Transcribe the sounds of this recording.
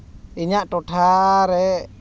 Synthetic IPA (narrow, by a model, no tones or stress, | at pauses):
iɲaʔʈɔʈʰaɾɛ